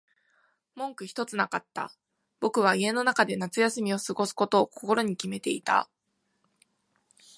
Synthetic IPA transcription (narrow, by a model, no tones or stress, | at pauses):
mõ̞ŋkɯ̟çi̥t̪o̞t͡sɨnakat̪ːa̰ | b̥o̞kɯ̟β̞aie̞no̞nakad̪e̞nat͡sɨjasɨmʲio̞sɨɡo̞sɨ̥ko̞t̪o̞ːko̞ko̞ɾo̞ɲ̟ikʲime̞t̪e̞it̪a̰